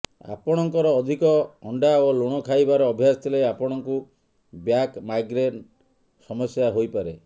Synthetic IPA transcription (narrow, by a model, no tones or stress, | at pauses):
a̰pɔɽ̃ɔŋkɔɾɔːd̪ʱikɔɔɳɖaoloɽ̃ɔkʰajbaɾɔːbʱjast̪ʰileapɔɽ̃ɔŋku | bjakmajɡɾeʈ | sɔmɔsjaɦojpaɾe